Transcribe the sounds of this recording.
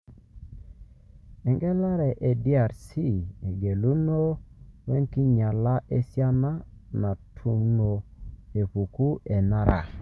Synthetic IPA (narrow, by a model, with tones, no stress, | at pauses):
ɛ˨ŋɡɛ˦la˦ɾɛ˨ʔe˨di˦a˨ɾsi˦˨e˨ɡe˨lu˦no˦wɛ˦ŋki˦ɲa˨la˦ʔe˦sja˦na˦na˨tʰu˨no˨e˨pu˨ku˦ʔe˨na˦ɾa̰˨